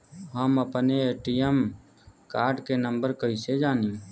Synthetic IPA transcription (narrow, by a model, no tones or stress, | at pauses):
ɦəməpneeːʈijəm | kaːɾɖkenə̃mbəɾkəɦised͡ʒaːnĩː